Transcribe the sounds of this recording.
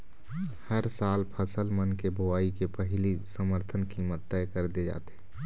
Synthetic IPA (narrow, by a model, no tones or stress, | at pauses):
həɾsaːlpʰəsəlmənkebʱoaːikepəɦɪlisəməɾt̪ʰənkiːmət̪ːəkəɾd̪ed͡ʒa̰ːt̪e